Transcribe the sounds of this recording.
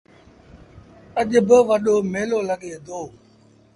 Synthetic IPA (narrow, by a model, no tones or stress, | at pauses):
əʄʊbɪʋəɗoːmeːloːləɠeːd̪oː